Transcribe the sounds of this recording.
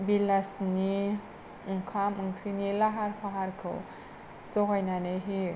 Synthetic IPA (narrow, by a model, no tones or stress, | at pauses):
bilasni | ɯŋkʰamʔɯŋkʰɾinilaɦarpʰaɦaɾkʰo̰w | t͡sɔkajnanejɦi